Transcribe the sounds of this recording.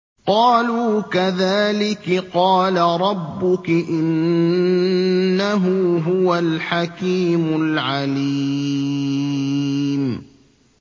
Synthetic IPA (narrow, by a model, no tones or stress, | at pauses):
qɑːluːkaðaːlɪkqɑːlaɾˤɑbːʊkɪʔɪn | aɦʊɦʊwalħakiːmʊlʕali | m